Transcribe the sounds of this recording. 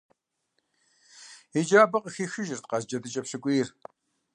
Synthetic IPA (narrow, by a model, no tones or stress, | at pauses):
id͡ʒaːbɐqʼəxiːxɨʒɪrt̪qɑzd͡ʒɐdɨt͡ʃʼɐpɕɨkʷʼiːr